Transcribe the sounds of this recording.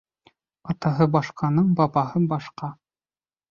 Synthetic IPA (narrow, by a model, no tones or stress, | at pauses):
ɑt̪ɑɦɤbɑʃqʰɑnɤɴbɑβɑhɤbɑʃqɑ